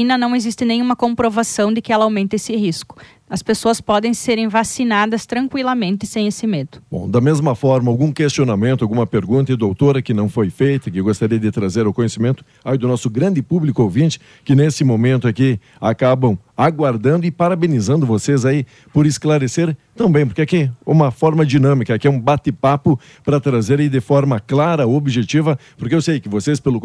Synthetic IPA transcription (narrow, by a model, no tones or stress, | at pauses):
ĩnɐnɐ̃w̃ezist̪ɪnẽj̃ũmɐkõmpɾovasɐ̃w̃d̪ɪkɪɛlɐawmẽnt̪ɐesɪɦiskʊ̥ | ɐspesoɐspɔd̪ẽj̃seɾẽj̃vasinad̪ɐst̪ɾɐ̃ŋkwilɐmẽnt̪ɪsẽj̃esɪmed̪ʊbõ̰d̪ɐmezmɐfɔɾmɐawɡũkest͡ʃionamẽnt̪ʊawɡũmɐpeɾɡũnt̪ɐɪd̪owt̪oɾɐkɪnɐ̃w̃fojfejt̪ɐkɪewɡost̪aɾiɐd̪ɪt̪ɾazeɾʊkõɲesimẽnt̪ʊ̥ | ajid̪ʊnɔsʊɡɾɐ̃nd̪ɪpublikʊovĩt͡ʃɪ̥ | kɪnesɪmõmẽnt̪ʊaki | akabɐ̃w̃ | aɡwaɾd̪ɐ̃nd̪ʊɪpaɾabenizɐ̃nd̪ʊvosezai | poɾɪsklaɾeseɾt̪ɐ̃bẽj̃p̬oɾkɛakiṵ̃mɐfɔɾmɐd͡ʒinɐ̃mikɐakiɛũbat̪ɪpapʊ | pɾɐt̪ɾazeɾɪd̪ɪfɔɾmɐklaɾɐobiʒet͡ʃivɐpoɾkeewsejkɪvosespelʊ